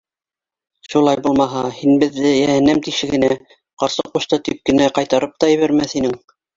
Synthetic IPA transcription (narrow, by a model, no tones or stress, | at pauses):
ʃulˠɑjbulˠmɑɦɑhinbɘ̆ðːɘjæhɘ̆næmt̪ikʃɘ̆ɡɘ̆næ | qɑɾsɤquʃt̪ɤt̪ip̚kɘ̆næqɑjt̪ɑɾɤp̚t̪ɑjɘ̆βæɾmæθhinɘŋ